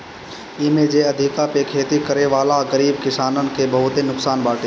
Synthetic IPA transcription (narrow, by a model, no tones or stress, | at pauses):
ɪmẽd͡ʒeəd̪ʱɪkapekʰeːt̪ikəɾeʋaːlaɡəɾiːb̚kɪsaːnənɪ̆kebəɦʊt̪enʊksaːnbaːʈʰeː